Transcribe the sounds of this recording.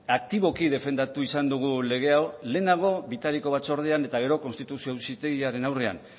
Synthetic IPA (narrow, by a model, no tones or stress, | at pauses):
ak̚t̪iβo̞kiðe̞fe̞nd̪at̪uisand̪uɣ̞ule̞ɣ̞e̞awle̞ːnaɣ̞o̞βit̪aɾiko̞β̞at͡so̞ɾð̞e̞ane̞t̪aɣ̞e̞ɾo̞ko̞nst̪it̪usiowsit̪eɣiaɾe̞nawre̞a̰n